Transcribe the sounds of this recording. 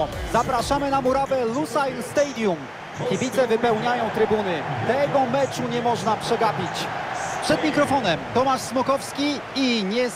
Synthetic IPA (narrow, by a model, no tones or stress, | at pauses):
zapɾaʂamɘnamuɾavɛlusajlst̪ɛjd̪jum | kʲibʲit̪sɛvɘpɛwɲajɔ̃w̃t̪ɾɘbunɘt̪ɛɡɔmɛt͡ʂuɲɛmɔʐnapʂɛɡapʲit͡ɕpʂɛd̪mʲikɾɔfɔnɛmt̪ɔmaʂsmɔkɔfskʲi | iɲɛ